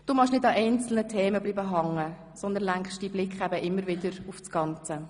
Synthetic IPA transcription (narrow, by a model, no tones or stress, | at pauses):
d̥uːmɑχʃnɪdɑʔɛɪnt͡sl̩nətʰeːməbliːbəɦɑŋːə | sɔnd̪ənlæŋkχʃd̥iːblɪkχæbəʔɪmːəɾvɪdəɾufsɡ̥ɑnt͡sə